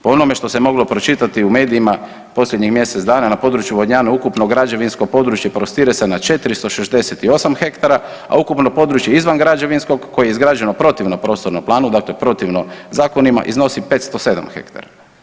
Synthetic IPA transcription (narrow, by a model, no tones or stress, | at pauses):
poonome̞ʃt̪o̞se̞mo̞ɡlo̞pɾo̞t͡ʃit̪at̪iume̞ːd̪iima | po̞slʎʲjed̪ɲixmje̞set̪zd̪aːnanapo̞d̪ɾut͡ʃjuʋod̪ɲaːnaukupnoɡɾad͡ʒe̞ʋinskopo̞d̪ɾut͡ʃjepɾost̪iːɾesenat͡ʃe̞t̪ɾist̪o̞ʃezd̪e̞set̪io̞samxe̞kt̪aɾa | a̰ukupno̞po̞d̪ɾut͡ʃje̞izʋanɡɾad͡ʒeʋinsko̞ɡkːo̞jejeizɡɾaːd͡ʒe̞nopɾo̞t̪iʋnopɾo̞ːst̪o̞ɾnomplˠaːnud̪akle̞pɾo̞t̪iʋnozaːko̞nima̰ʔḭzno̞sipeːt̪st̪o̞se̞d̪a̰mxe̞̰kt̪a̰ɾa